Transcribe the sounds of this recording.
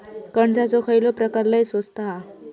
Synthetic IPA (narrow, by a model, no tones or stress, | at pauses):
kəɳd͡zat͡sɔkʰəjlɔpɾəkaɾləjsʋəst̪aa